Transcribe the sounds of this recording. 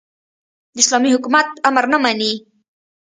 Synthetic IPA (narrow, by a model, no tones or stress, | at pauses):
d̪əɪslɑmihʊkumat̪̚amɾnəmani